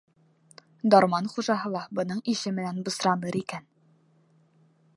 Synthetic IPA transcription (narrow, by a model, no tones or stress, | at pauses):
d̪ɒɾmɑnχuʒɑɦɤ̆lˠɑbɤ̆nɤɴiʃɘmɘ̆nænbŏsɾɑmɤɾikæn